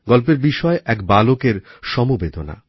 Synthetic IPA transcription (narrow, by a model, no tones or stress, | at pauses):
ɡɔlpeɾbiʃɔeʔɛkbalokeɾʃɔmubed̪ʱona̰